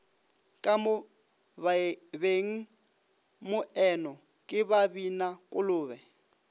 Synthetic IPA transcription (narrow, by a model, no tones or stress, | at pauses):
kʼamʊ | beŋ̩ | mʊʔɛnɔ | kʼɪbabinakʼʊlʊːβɛ